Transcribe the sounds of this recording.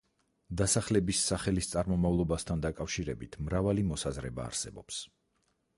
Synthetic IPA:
d̪asaχlɛbisːaχɛlist̪sʼaɾmɔmavlˠɔbast̪ʰand̪akʼafʃiɾɛbit̪ʰmɾavalimɔsazɾɛba̰ːɾsɛ̰bɔps

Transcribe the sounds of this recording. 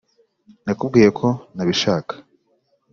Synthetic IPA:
nakub̚ɡiːje̞kʰo̞naβiʃaːkḁ

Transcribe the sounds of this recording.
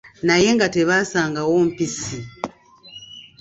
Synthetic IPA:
naje̞ŋɡate̞βaːsaːŋɡawo̞ːm̩pisi

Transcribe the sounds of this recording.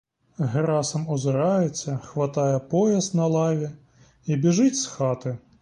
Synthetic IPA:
ɦeɾɑsɐmɔzɪɾɑjet͡sʲːɐxʋɐt̪ɑjɛpɔjɐsnɐlˠɑʋʲi | ibʲiʒɪtʲsxɑt̪ɪ

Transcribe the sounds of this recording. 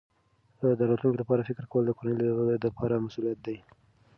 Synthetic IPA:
əd̪aɾat̪luŋkelapɑɾafɪkɾkawəld̪əkoɾanəld̪əpʰɑɾamasulijat̪̚d̪aj

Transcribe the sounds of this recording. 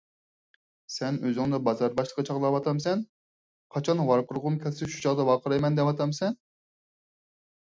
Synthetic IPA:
sɛnøzyŋd̪ɛbɑzɑɾbɑʃlˠə̥qːɑt͡ʃʰɑʁlˠɑwɑt̪ʰɑmsɛn | qʰɑt͡ʃʰɑnwɑɾqʊɾʁʊmkʲʰɛlsɪʃu̥t͡ʃʰɑʁd̪ɑwɑqʰəɾɑjmɛnd̪ɛpɑt̪ʰɑmsɛn

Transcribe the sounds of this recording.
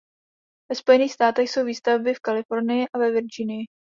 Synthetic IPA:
vɛspo̞jɛniːxst̪aːt̪ɛxso̞wviːst̪avbɪfkalɪfo̞ɾnɪjɪʔavɛvɪɾd͡ʒɪnɪjɪ

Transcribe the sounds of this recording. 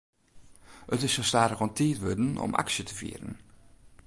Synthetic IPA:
ətɪsostaːɾɣɑntitʋødənɔ̰mʔa̰ksjətəv̥ḭːɾə̰n

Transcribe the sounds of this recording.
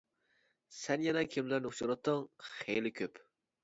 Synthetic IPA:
sɛnjɛnɛkʲʰɪmlæɾnɪt͡ʃuɾɑt̪ʰːəŋχḛjlɪkʲʰøp

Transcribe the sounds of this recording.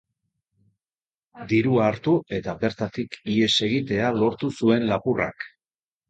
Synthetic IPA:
d̪iɾuaːɾt̪ue̞t̪aβe̞ɾt̪at̪ikie̞se̞ɣit̪e̞alo̞ɾt̪usue̞nlapura̰k

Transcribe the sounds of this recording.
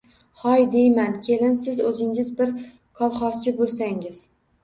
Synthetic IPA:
χɒjd̪ejmankʲʰelɪnsɪzɵzɪŋɪzbɪɾ | kʰɒlˠχɒst͡ʃʰɪbolˠsaŋɪz̥

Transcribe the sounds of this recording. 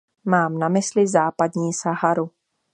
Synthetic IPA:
maːmnamɪslɪzaːpadɲiːsaɦaɾu

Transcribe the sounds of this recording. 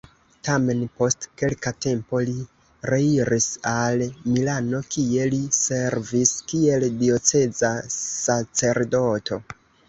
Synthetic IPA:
tame̞npo̞stke̞lkate̞mpoli | ɾe̞iɾʔisalmilano̞kie̞lise̞ɾviskie̞ldio̞t͡se̞zasat͡se̞ɾdo̞tʰo̞

